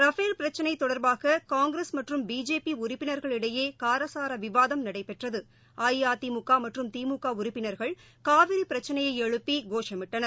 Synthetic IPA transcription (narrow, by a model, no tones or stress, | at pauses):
ɾɐfeːlpɪɾɐt͡ʃːɐnɐɪt̪ːɔɽɐɾbaːɣɐkaːŋɡɾesmɐʈrɯmbiːd͡ʒeːpiʊɾɪpːɪnɐɾɣɐɭɪɽɐjeːkaːɾɐsaːɾɐʋɪʋaːðɐmnɐɽɐɪpːɛʈrɐðɯ | aːjjaːt̪imʊkːaːmɐʈrɯmt̪iːmʊkːaːʊɾɪpːɪnɐɾɣɐɭ | kaːʋɪɾipɪɾɐt͡ʃːɐnɐjɐɪɛɻɯpːiɡoːʂɐmɪʈːɐnɐɾ